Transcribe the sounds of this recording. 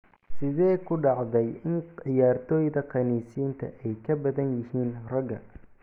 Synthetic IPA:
sɪðɛːkʰʊɖɑʕðɛjɪnɪjaːrt̪ʰɔːjðɐqɑniːsiːnt̪ʰɐ̰ʔɛjkʰɐbɐðɐnjɪhiːnrɐɡɐ

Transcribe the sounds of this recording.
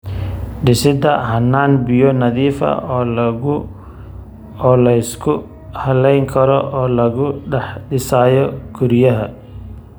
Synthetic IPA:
ɖɪsɪd̪ɐɦɐnːaːnbɪjɔnɐðiːfɐ̰ɔː | ɔːlɐɪskʰʊ | hɐlɛjŋkʰɐɾɔʔɔːlɐɣʊɖɛħɖɪsaːjɔɡʰʊɾjɐɦɐ

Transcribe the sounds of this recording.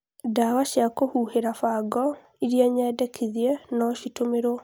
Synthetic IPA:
dawaʃjakohuːheɾafaɡɔ | iɾiaɲɛːdɛkʰiðiɛnɔʃitomeɾo

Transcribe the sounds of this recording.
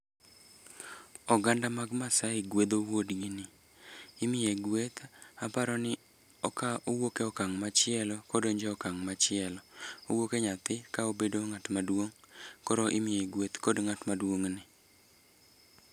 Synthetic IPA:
ɔɡandamaɡmasaɪɡwed̪owodɡɪnɪ | ɪmieɡwet̪apaɾɔnɪ | ɔkaʔowokeɔkaŋmat͡ʃɪɛlɔkodoɲd͡ʒɛɔkaŋmat͡ʃɪɛlɔowokeɲat̪ɪkaobedoŋatmadwoŋkɔɾoʔɪmɪeɡwet̪kodŋatmadwoŋnɪ

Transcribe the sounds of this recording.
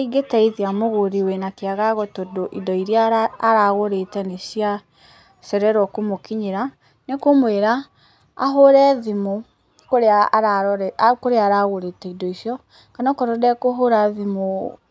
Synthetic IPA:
iɡetaiðiamoɣoɾiwɛnakeaɣaɣɔtɔdoʔidɔiɾjaaːɾaɣoɾetɛnesja | sɛɾɛɾɔkomokiɲeɾa | nekomweɾa | a̰ɦoɾɛðimo | koɾeaɾaɾkoɾeaɾaɣoɾetɛidɔisjɔ | kanɔkɔɾɔdɛkoɦoɾaðimo

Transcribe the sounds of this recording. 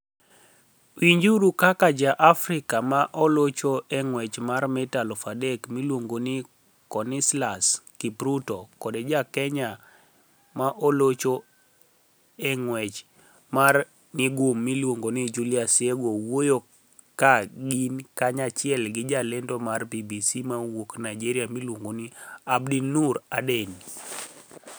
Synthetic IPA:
wiɲd͡ʒuɾukakad͡ʒaʔafɾɪkamaʔɔlot͡ʃoɛŋwɛt͡ʃmarmɛtalɔfadɛkmilwoŋɡonɪ | kɔnislaskipɾutɔkɔded͡ʒakɛɲa | maʔolot͡ʃo | eŋwɛt͡ʃ | mar | nɪɡʊmːilwoŋɡonid͡ʒuliasjeɡowojo | kaɡinkaɲat͡ʃɪɛlɡɪd͡ʒalendomarbibisimawoknajd͡ʒiɾiamilwoŋɡoniabdinuɾaden

